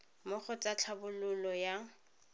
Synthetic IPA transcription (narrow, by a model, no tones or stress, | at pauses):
mʊχɔt͡sat͡ɬʰabʊlʊlɔja